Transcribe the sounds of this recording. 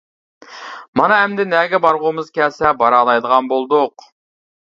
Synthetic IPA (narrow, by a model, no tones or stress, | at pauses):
mɑnɑɦɛmd̪ɪnɛɡʲɛbɑɾʁʊmɨzkʲʰɛsɛbɑɾɑlˠɑjd̪əʁɑnbolˠd̪ʊq